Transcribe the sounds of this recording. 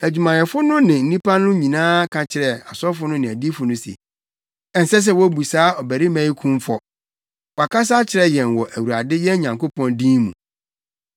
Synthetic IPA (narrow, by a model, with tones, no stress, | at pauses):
æ˨d͡ʑᶣu˨mã˨nɛ˨fʊ˦nʊ̃˦nɪ̃˨n̩˦nĩ˦pʰa˦nʊ̃˦ɲĩ˨nãː˦kʰã˨t͡ɕʰɪ˨ɾɛ˨a˨sɔ˦fʊ˦nʊ̃˦nɪ̃˨æ˨di˦fʊ˨nʊ̃˦sḛ˨ | ɛ˦n̩˨sɛ˦s̬ɛ˦wɔ˦bu˨saː˦ɔ˨bæ˨ɾi˦mæ̃˦i˦kʰũ˦m˦fɔ˨ | wɔ˨a˨kʰa˦s̬a˦t͡ɕʰɪ˨ɾɛ˨jɛ̃˨nwɔ˨ʔæ˨wu˨a˨dɪ˦jɛ˦ɲã˨ŋko˦pɔ̃˦ndĩ˦nmũ˨